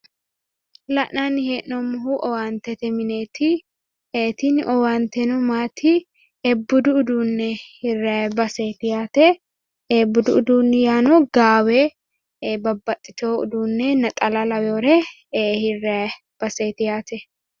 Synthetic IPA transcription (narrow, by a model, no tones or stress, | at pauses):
lɐʔnanɪheːʔnɔmʊɦuʔɔwaːnt̪ɛt̪ɛmɪneːt̪ʰɪ | eːt̪ɪnʔɔwant̪ɛnɔmaːt̪ɪ | ɛbːʊd̪ʊːd̪uːnːɛhɪrɛbɐseːt̪ɪjaːt̪ɛ | ɛbːʊd̪ʊʊd̪uːnːjaːnɔɡaːwe | bɐbːɐt̪ʼːɪt̪oːʊ̰d̪uːnːɛnɐt̪ʼɐlɐlɐwjoːɾɛ | hɪrːɛ | b̥ɐseːt̪ɪjaːt̪ɛ